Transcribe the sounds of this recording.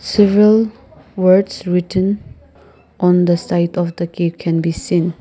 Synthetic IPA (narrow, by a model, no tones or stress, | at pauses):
sɛvəɹəl | wədsɹitʰə̃n | ʔɔ̃nd̪əsajtʰɔfd̪əkefkʰɛ̃nbisĩn